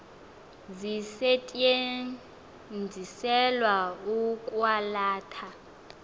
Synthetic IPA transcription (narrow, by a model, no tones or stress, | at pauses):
zisɛtʼe | nd͡zʱisɛlwaukʼwalaːtʰa